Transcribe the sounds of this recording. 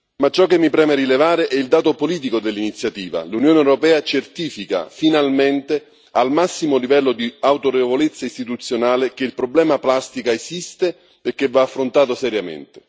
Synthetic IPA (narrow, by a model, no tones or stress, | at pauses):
mat͡ʃːɔk̟ːemːipɾɛːmeɾilevaːɾeʔɛild̪aːt̪opoliːt̪̬ikod̪elːinit̪sːjat̪iːva̰lunjoːneɛwɾopɛːat͡ʃert̪iːfika̰finalment̪e | almasːimolivɛlːod̪iawt̪oɾevolet̪sːaist̪it̪ut̪sːjonaːlɪk̟eilpɾoblɛːmaplast̪ikaesist̪e | perk̟ːevaːfːɾont̪aːt̪osɛɾjamḛnt̪e̥